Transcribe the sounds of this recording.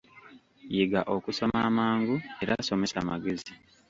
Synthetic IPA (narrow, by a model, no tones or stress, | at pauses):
jeɡaʔo̞kuso̞maːmaːŋɡue̞ɾaːso̞me̞samaɡe̞zi